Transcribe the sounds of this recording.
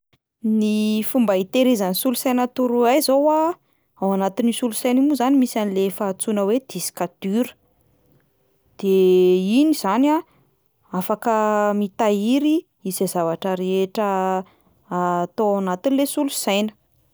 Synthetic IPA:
nifumbait̪eɾizənisulusajnat̪uɾuajzowa | awanat̪inisulusajnimuzanimisanilefaːt͡sunəwed̪̥isi̥kat̪yɾə̥ | d̪̥einiz̥ana | afakəmit̪aiɾi | izezavaʈ͡ʂəɾeeʈ͡ʂəː | t̪oawnat̪inilesulusajnə̥

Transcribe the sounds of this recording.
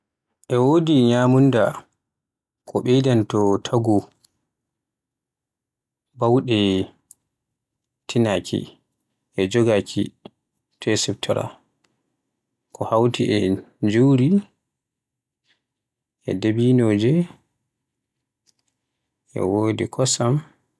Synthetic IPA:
ʔɛwoːdiɲamunda | kʰɔɓɛjdantɔtʰaɡu | bawɗɛ | tʰinakʰḭ | ʔɛd͡ʒɔɡakʰḭ | tʰɛsɛptʰɔɾa̰ | kʰɔhawtiʔɛd͡ʒuɾi | ʔɛ̰debinoːd͡ʒɛ | ʔɛ̰woːdikʰɔsam

